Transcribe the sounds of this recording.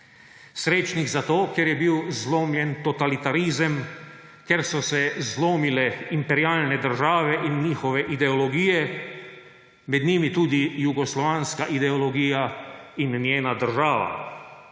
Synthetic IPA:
sɾeːt͡ʃniɡzat̪oːkjɛɾjɛbiwzloːmjɛnt̪ɔt̪alit̪aɾizəm | kɛɾsɔsɛzloːmilɛimpɛɾiaːlnɛd̪əɾʒaːʋɛʔinɲiːxɔʋɛʔid̪ɛɔlɔɡijɛ | mɛd̪ɲiːmit̪uːd̪ijuɡɔslɔʋaːnskaʔid̪ɛɔlɔɡiːjainːjeːnad̪əɾʒaːʋa̰

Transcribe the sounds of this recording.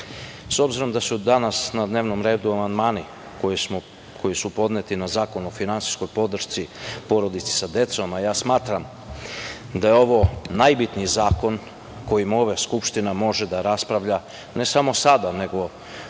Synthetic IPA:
so̞bziɾo̞md̪asud̪anasnad̪neːʋno̞mɾe̞ːd̪uamand̪maːni | om | kʰo̞jisupo̞d̪net̪inazaːko̞nuofinansi̥sko̞jpo̞d̪r̩ʃt̪sipo̞ɾo̞d̪it̪se̥sad̪e̞t̪somajaːsmaːt̪ɾam | d̪ajeo̞ʋo̞najbit̪nijzaːko̞n | ko̞jimoʋaskupʃt̪inamo̞ʒed̪aɾaspɾaʋʎa | ne̞samo̞sad̪ane̞ɡo̞

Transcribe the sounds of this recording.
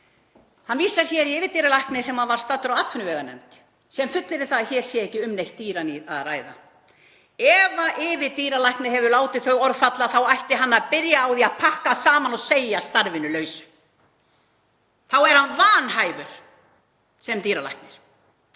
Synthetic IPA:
hanːviːsaɾ̥çɛːɾiɪːvɪt̪iːɾalajhknɪsɛmhanvaɾ̥st̪aːt̪ːʏɾawat̪fʏnʏvɛːɣanɛ̰mt̪ | sɛmfʏt̪lɪɾɪθaðçɛɾ̥sjɛɛhcːɪʏmnejht̪ːiːɾaniaðraːjða̰ | ɛvaʔɪvɪðt̪iːɾalajhknɪɦɛvʏlaːwt̪ɪθœɣɔɾfat̪laθawajht̪ɪɦanːaðpɪɾjaːwðiaðpʰahkasaːmanɔsejast̪aɾvɪnʏlœːɥsʏ̥ | θawɛɾ̥hanvaːnɦaːjvʏɾ̥ | sɛmt̪iːɾala̰jhk̚nɪɾ̥

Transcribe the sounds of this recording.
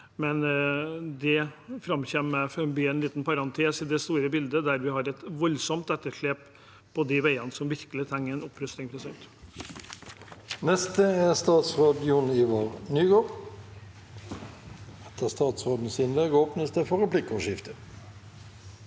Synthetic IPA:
mɛn | d̪ɛfɾɑmçɛmmɛfœmbiːɛnliːt̪n̩pɑɾɑnt̪ʰeːsɪd̪ɛst̪uːɾəbɪld̪əd̪æɾʋɪhɑɾɛt̪ʋɔlsɔmt̪ɛt̪ːəʂɭeːp | pʰːɔd̪ɪʋæɪɑnəsɔmʋɪɾkəlɪt̪ʰɛŋːəɛnɔpːɾœst̪ɪŋpʰɾʊsœnt̪ | nɛst̪əæst̪ɑːt̪sʁoːd̪jʊnɪʋoːʁnyːɡoːʁ | ɛt̪əst̪ɑːt̪sʁoːd̪n̩sɪnlɛɡoːpnəsd̪əfɔɾɛpʰlɪkɔʂɪft̪ə

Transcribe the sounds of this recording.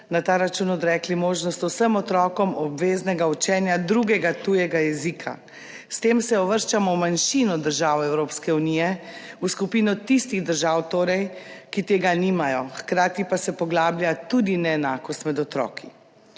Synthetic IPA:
nat̪aːɾat͡ʃunɔd̪ɾɛːklimoːʒnɔst̪wsəmɔt̪ɾɔːkɔmɔbʋeːznɛɡaut͡ʃɛːnjad̪ɾuɡɛɡat̪uːjɛɡajɛzikʰa̰ | st̪eːmsɛɔʋəɾʃt͡ʃamɔmanʃinɔd̪əɾʒaːwɛwɾoːpskɛunijɛ | uskupiːnɔt̪ist̪iɣd̪əɾʒaːwt̪oːɾɛjkit̪eːɡaniːmajɔxkɾaːt̪ipasɛpɔɡlaːbljat̪ud̪inɛːnaːkɔst̪mɛd̪ɔt̪ɾɔ̰ːkʰi

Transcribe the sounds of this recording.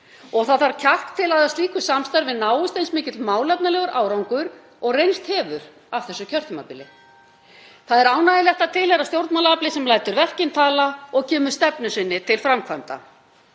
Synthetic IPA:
ɔɣθaðθaɾcʰah̪kt̪ʰːɪlaðast̪liːkʏsamst̪ajɾvɪðnaːwʏst̪ejnsmɪːcɪt̪lmaːwlɛpnalɛɣʏɾʔaːwɾawŋkʏɾ | ɔɣrejnst̪hɛːvʏɾ | av̥θɛsːʏcʰœr̥t̪ʏmapɪlɪ | θaðɛɾaːwnajɪljɛht̪at̪ʰɪlhɛɾawst̪jowɾt̪malaaplɪsɛmlaːjt̪ʏɾvɛr̥cɪnt̪ʰaːlaɔɣcɛːmʏ̥st̪ɛpnʏsɪnːɪt̪ʰɪlfɾamkʰvamt̪a̰

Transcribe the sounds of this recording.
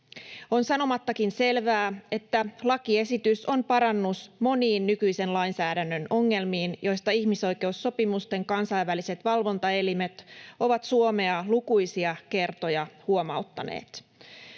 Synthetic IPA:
o̞nsɑno̞mɑt̪ːɑkinse̞lʋæːe̞t̪ːælɑkie̞sit̪yso̞npɑɾɑnːusmo̞niːnːykyjse̞nlɑinsæːdænːø̞no̞ŋːe̞lmiːnjo̞jst̪ɑiçmiso̞jke̞usːo̞pimust̪e̞ŋkɑnsɑiʋːælise̞t̪ʋɑlʋo̞nt̪ɑe̞lime̞t̪o̞ʋɑt̪suome̞ɑlukujsiɑke̞rt̪o̞jɑhuomɑ̰ut̪ːɑnḛːt̪

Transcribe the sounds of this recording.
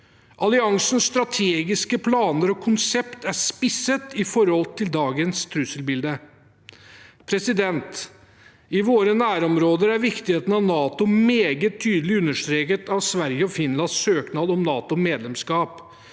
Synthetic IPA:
ʔɑlɪɑŋsən̩st̪ɾɑt̪ʰeːɡɪskəpʰlɑːnəɾɔkʰʊnsɛpt̪æʂpɪsːət̪ɪfɔɾhɔlt̪ʰɪld̪ɑːɡənst̪ʰɾʉsəlbɪld̪ə | pʰɾɛsɪd̪ɛnt̪ | ɪʋoːɾənæːɾɔmɾoːd̪əɾæɾʋɪkt̪ɪheːt̪n̩ɑʋnɑːt̪ʊmeːɡət̪ʰːyːd̪əlɪʉnːəʂt̪ɾeːkət̪ɑʋsʋæɾjəɔfɪnlɑnssøːknɑːlɔmnɑːt̪ʊmeːd̪lɛmskɑːp

